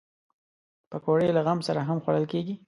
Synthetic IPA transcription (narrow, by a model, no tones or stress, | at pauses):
pəkoɽejlaɣamsaɾaɦamxwaɽəlkeɡi